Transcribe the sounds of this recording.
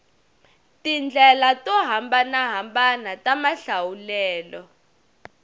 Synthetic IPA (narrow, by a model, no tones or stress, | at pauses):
tind͡ɮʱɛlatɔɦambanaɦambanatamaɬawulɛːlɔ